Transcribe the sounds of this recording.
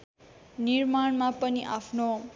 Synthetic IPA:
niɾmaɳmapʌniʔapʰno

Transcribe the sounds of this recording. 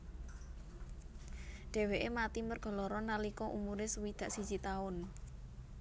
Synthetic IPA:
ɖ̥e̤weʔemat̪imərɡ̥ɔ̤lɔɾɔnalikɔʔṵmuɾɪsəwid̪̥a̤ʔsi̥d͡ʒ̥it̪aʊn

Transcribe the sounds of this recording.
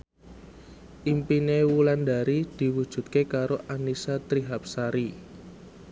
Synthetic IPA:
ʔimpinewuland̪a̤ɾid̪̥i̤wud̥ʒ̥ṳt̪̚kekaɾoʔanisat̪ɾiɦap̚saɾi

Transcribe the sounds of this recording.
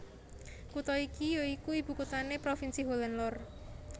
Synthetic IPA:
kut̪ɔikijoikuib̥ṳkut̪anepɾofinsiɦolanlɔr

